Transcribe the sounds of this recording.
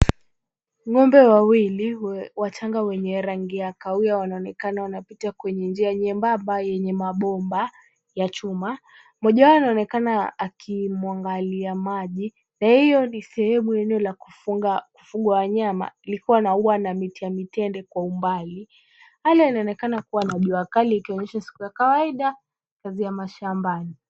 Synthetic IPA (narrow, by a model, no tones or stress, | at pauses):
ŋɔmbɛwawiliwat͡ʃaŋɡawɛɲɛɾaŋɡiakaujawanaɔnɛkanawanapitakwɛɲɛnd͡ʒiaɲɛmbambajɛɲɛmaɓɔmba | jat͡ʃuma | mɔʄawanaɔnɛkanaːkʰimwaŋɡaliamaʄi | nahijɔnisɛhɛmuɛnɛɔlakuaku̥fuɠwawaɲama̰ilikuwanauwanamitijamitɛndɛkwaumbali | halainaɔnɛkanakuwanaʄuakaliːkiɔɲɛʃasi̥kujakawaiɗa | kazijamaʃambani